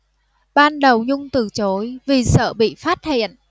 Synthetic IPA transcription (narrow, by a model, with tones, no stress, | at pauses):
ɓaː˧nɗə˨˩wɲʊ˧ŋ͡mt̪ɨ˨˩t͡ɕo˨˦jvi˨˩sə̰ː˧˨ɓḭ˧˨faː˦˥t̚hḭ˧˨ənʔ